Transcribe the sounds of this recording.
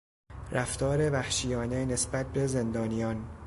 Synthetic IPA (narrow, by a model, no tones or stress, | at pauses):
ɾæft̪ʰɒːɾe̞væhʃijɒːne̞ne̞sbæt̪̚be̞ze̞nd̪ɒːnijɒːn